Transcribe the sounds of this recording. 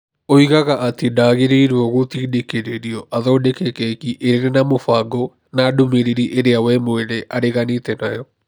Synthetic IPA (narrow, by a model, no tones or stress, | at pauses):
oiɣaɣaʔatedaːɣeɾeiɾwɔɣotiːdekeɾeɾiɔʔaðɔːdekɛkɛkiʔeɾeɾenamofaɡɔ | naːdomeɾeɾiʔeɾeawɛmoeɾeʔaɾeɣanetɛnajɔ